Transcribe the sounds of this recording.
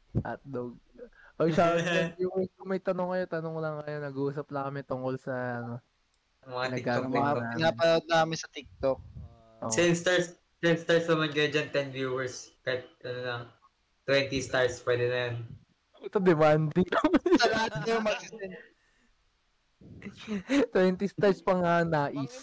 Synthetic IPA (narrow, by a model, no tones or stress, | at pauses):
ʔɐ̰t̪̚loɡ̚ʔosawɐɛnvjuːwɛɹskʊŋmɐjt̪ɐnoŋkɐjo̞t̪ɐnoŋlɐŋkɐjo̞nɐɡʔuːsɐplɐkɐmɛt̪ʊŋko̞lsɐɐno̞ | mɐŋaɐɪkɡkaɐɐŋapɪnaːpɐnod̪̚naːɐmɪnsɐt̪ɪk̚t̪ok̚ | ʔo̰sɛnst̪aɹs | sɛnst̪aɹsnɐmɐnɡɐd͡ʒɐnt̪ɛnvjuːwɛɹskɐhɪt̪̚ʔɐnonɐŋ | t̪wɛnt̪ist̪aɹspwɛd̪ɛnɐjon | ɛt̪od̪ɛmand̪ɪŋt̪ɐmɛsɐlɐhat̪̚kɐjoŋmɐɡ̪ɛ | t̪wɛnt̪ist̪aɹspɐŋɐnaːʔɪs